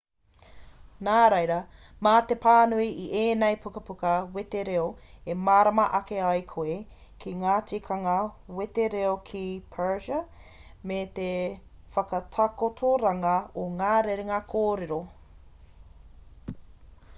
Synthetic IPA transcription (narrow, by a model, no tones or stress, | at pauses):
naːɾejɾɐ | maːt̪epʰaːnuiʔiʔeːnɛjpʰukɐpukɐwet̪eɾeoemaːɾɐmɐʔɐkeɐjkʰoe | kʰiŋaːtikʰɐŋɐwet̪eɾeokʰipʰɛɹʒɐmet̪efɐkɐtʰakotʰoɾaŋɐoŋaːɾeɾeŋakʰoːɾeɾo